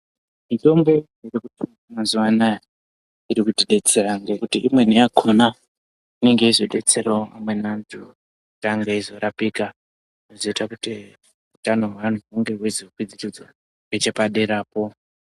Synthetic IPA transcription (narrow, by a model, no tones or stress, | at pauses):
mito̞mbo̞jerekutu | maziwanaja | iɾikutiɗe̞t͡se̞raŋɡe̞kutiʔimwe̞niakʰuna | ine̞ŋɡe̞izoɗe̞t͡seɾoamwe̞nantʰu | taŋɡeizo̞ɾapika | inozoitakuti | utano̞ɦwan̤uɦuŋɡe̞ɦweziukwid͡zirid͡zo | et͡ʃepaɗeɾaːpo̞